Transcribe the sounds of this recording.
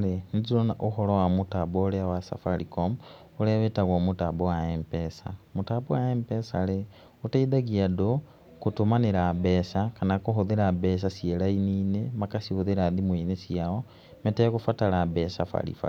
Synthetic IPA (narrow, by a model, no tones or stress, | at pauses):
lenzilonaʔuxolowamutaboleawasa̰falikom | uleβetaɣomutabowaempesa̰mutabowaempesale | utaiðaɡiado | kutumaniɾabesakanakuɦuðiɾabes̬asielainiːnemakasihuðiɾaðimwinesiao | metekufatalabesafa̰lḭfa̰